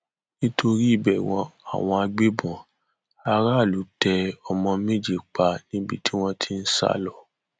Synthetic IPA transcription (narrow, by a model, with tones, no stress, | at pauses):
nĩ˦tʰo˧ɾi˦i˦˨bɛ˨w̃ɔ̃˧a̰˨w̃ɔ̃˧a˧ɡ͡be˦bɔ̃˨ | a˧ɾa˦˨lu˨˦tɛ˧ɔ˨mɔ̃˧mẽ˦d͡ʒi˨k͡pa˧nĩ˦bi˧tʰi˦w̃ɔ̃˧tʰi˦n̩˦sa̰˦lɔ˦˨